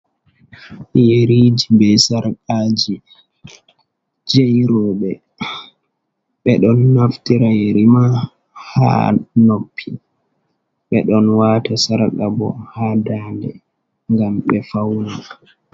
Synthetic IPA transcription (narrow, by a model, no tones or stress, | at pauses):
jeɾid͡ʒibɛsaɾkaːd͡ʒi | d͡ʒejɾɔːɓɛ | ɓɛɗɔnːaftiɾajeɾima | ha̰nopʰːi | ɓɛɗɔnwaːtasaɾkabɔ̰haːdaːndɛ̰ | ŋɡamɓɛfawna